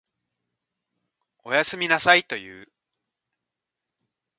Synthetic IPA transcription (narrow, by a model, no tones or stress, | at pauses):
o̞jasɨmʲinasait̪o̞jɯ̟̰ː